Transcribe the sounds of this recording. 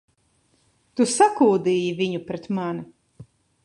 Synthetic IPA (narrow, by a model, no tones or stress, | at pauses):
t̪usakuːd̪ijivʲiɲupɾɛt̪mana